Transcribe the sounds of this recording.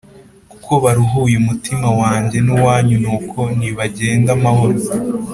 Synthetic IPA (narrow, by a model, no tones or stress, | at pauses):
ku̥kʰoβaɾuɦuːjemutimawaːɲɟe̞nuwaːɲunuːkʰo̞niβaɟe̞ːndamaho̞ɾo